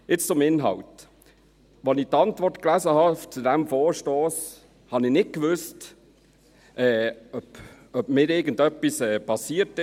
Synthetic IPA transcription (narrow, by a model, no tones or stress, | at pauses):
ɪt͡st͡sʊmɪnɦɑ̰wt | ʋɔnɪt̪ɑntʋɔrtklæzəhɑft͡sudæmfɔːɾʃtoːs | hɑnɪnɪt̚kʋʏst | ʔɛːœp | œb̥mɪːɾɪɡən̩dœpːisɛːpʰɑsiətɪ